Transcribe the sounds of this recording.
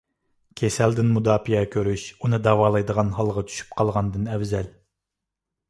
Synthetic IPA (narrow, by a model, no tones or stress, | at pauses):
kʲʰesɛld̪ɪnmud̪ɑːpʰiɛkʲʰøɾyʃunɨd̪ɑwɑːlˠɑjd̪əʁɑnɦɑlˠʁɑt͡ʃ̪ʰy̥ʃy̥p̚qʰɑlˠʁɑnd̪ɨnɛwzɛl